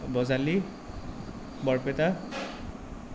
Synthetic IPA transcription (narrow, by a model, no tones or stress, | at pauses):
bɔzali | bɔɹpɛta